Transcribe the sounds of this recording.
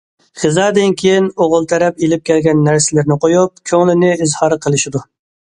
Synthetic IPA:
χɨzɑːd̪ɪnkʲʰejinoʁʊlˠt̪ʰɛɾɛpelɪp̚kʲʰɛlɡʲɛnːæɾsɪlɪɾnɪqojup̚kʲʰøŋlɪnɪːzhɑɾqʰəlˠɪʃɪd̪u

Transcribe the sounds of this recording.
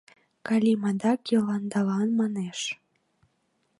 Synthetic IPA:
kɑlʲimɑd̪ɑkjɤlɑnd̪ɑlɑnmɑneʃ

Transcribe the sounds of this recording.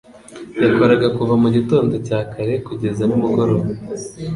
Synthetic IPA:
jako̞ɾaɡakuvamuɟito̞ːndo̞caːkʰaɾe̞kuɟe̞zanumuɡo̞ɾo̞βa

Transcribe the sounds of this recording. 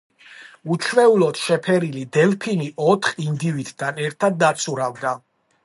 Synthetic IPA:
ut͡ʃʰwɛulɔt̪ʃɛpʰɛɾilid̪ɛlpʰiniʔɔt̪ʰχind̪ivid̪̥d̪anɛɾt̪ʰad̪ːat̪sʰuɾavd̪a

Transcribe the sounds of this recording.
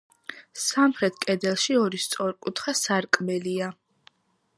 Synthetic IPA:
samχɾɛt̪ʰkʼɛd̪ɛlˠʃiɔɾist̪sʼɔɾkʼut̪ʰχasaɾkʼmɛlia

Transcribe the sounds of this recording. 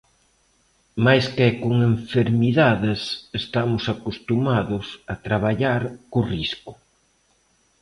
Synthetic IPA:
majskɛkoŋeɱfeɾmiðaðɪsest̪amʊsakust̪umaðʊsat̪ɾaβ̞aʎaɾkʊriskʊ̥

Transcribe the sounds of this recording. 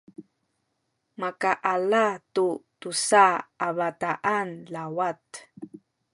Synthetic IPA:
makaʔalatutusaaβataʔanlawat

